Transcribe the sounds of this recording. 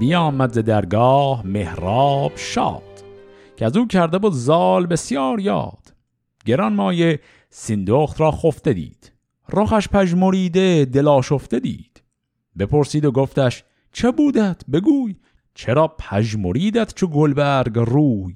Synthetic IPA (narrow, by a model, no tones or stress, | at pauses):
bijɒːmæd̪zed̪æɾɡɑːhmehɾɑːb̥ʃɒ̰ːd̪̥ | cʰeæzuːcʰæɾd̪ebuːd̪zɑːlbe̞sjɑːɾjɑ̰ːd̪̥ | ɡe̞ɾɒnmɒːje | sind̪oːχt̪ɾɒːxoft̪e̞d̪ḭːd̪̥ | roχæʃpʰæʒmoɾiːd̪ed̪e̞lɒːʃoft̪e̞d̪ḭːd̪̥ | be̞pʰo̞ɾsiːd̪oɡoft̪æʃ | t͡ʃʰebuːd̪æd̪̥be̞ɡuːj | t͡ʃʰeɾɒːpʰæʒmoɾiːd̪æd̪̥t͡ʃʰoɡolbæɾɡruːj